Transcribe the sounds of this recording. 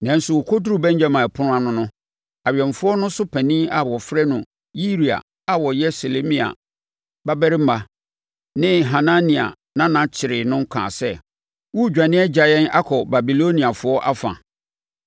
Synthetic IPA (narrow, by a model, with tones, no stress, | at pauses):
nã˨n̩˦sʊ˨wɔ˨kʰɔ˦du˦ɾu˦bɛ̃˦ɲd͡ʑa˦mã˨pʰʊ̃˦nʊ̃˦ã˨nʊ̃˦nʊ̃˦ | a˨ɥɛ̃˨ɱfʊ˦ɔ˦nʊ̃˦sʊ˦pʰæ̃˨nĩ˦a˨wɔ˨fɾɛ˦nʊ̃˨ | ji˦ɾi˨a̰˨ | a˨wɔ˨jɛ˦se˨le˦mĩ˦˨a̰˨ | ba˦bɛ˦ɾɪ˦m̩˦a˨ | nɪ̃˦ɦa˨nã˦nĩ˨a̰˨ | nã˦nã˨t͡ɕʰɪ˨ɾɪ˨nʊ̃˦ŋ̩˦kʰã̰ː˨sɛ˦˨ | wu˦˨d͡ʑᶣa˨nɪ̃˦ɛ˦d͡ʑa˨jɛ̃˦na̰˦kʰɔ˨ba˨bi˨lo˦nĩ˨a˨fʊ˦ɔ˦ʔa˦fã̰˨